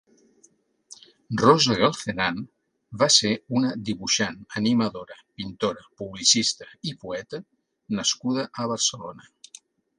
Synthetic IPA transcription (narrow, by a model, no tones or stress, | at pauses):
rozəɣalˠθenan | baseunəd̪iβuʃanəniməðoɾəpint̪oɾəpuβlisist̪əipuɛt̪ə | nəskuðəʔəβəɾsəlonə